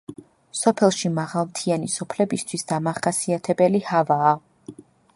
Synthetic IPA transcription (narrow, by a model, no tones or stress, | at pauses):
sɔpʰɛlˠʃimaʁalˠmt̪ʰianisɔpʰlɛbist̪ʰwisd̪amaχasiat̪ʰɛbɛlihavaː